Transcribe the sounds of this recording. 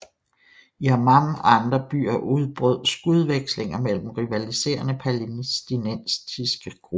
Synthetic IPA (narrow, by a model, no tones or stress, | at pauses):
iæmɑmɒ̽ɑ̈nd̥ʁɐb̥y̰ːɐʔuð̞ˠb̥ʁœð̞̰ˠsɡ̥uð̞ˠʋeɡ̥sle̝ŋɐmel̰m̩ʁiʋælise̝̰ːɐnəpʰælinisd̥inensd̥isɡ̥əɡ̥ʁub